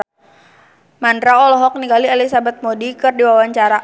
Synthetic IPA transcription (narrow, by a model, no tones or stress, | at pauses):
mandɾaɔlɔɦɔk̚niɡaliɛlisabat̪̚modikɨrdiwawaɲt͡ʃaɾa